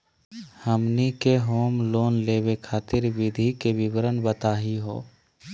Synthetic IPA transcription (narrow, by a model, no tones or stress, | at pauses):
həmnikeɦoːmloːnleːwekʰaːt̪ɪɾwɪd̪ʱikebɪwɾənbət̪aːɦiɦo̰ː